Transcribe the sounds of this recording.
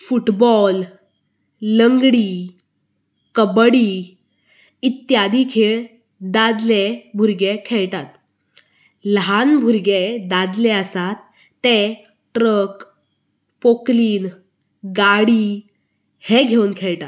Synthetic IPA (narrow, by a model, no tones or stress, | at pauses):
fuʈbɔl | əŋɡɽiː | kəbɽi | it̪jad̪ikʰeɭ | d̪ad̪lebʱuɾɡekʰeɭt̪at̪ | lɦanbʱuɾɡed̪ad̪leəsat̪ː | e | ʈɾək | pokliːn | ɡaɽiː | heɡʱewnkʰeɭtat̪